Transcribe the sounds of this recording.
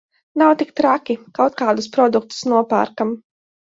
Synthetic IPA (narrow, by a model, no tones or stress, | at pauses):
nawt̪ik̚t̪ɾakʲikawt̪̚kaːd̪uspɾɔd̪uk̚t̪u̥snuɔpa̰ːɾkam